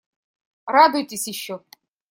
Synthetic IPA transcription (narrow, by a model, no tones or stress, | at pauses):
rad̪ujtʲɪsʲjɪɕːɔ